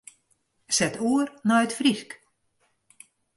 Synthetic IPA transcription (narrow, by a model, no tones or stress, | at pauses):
sɛtuərnɔjətfrisk